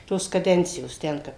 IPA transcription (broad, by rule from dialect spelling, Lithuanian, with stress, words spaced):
ˈtoːs kɐˈdʲɛnʲt͡sʲɪjoːs ˈtʲɛn kɐp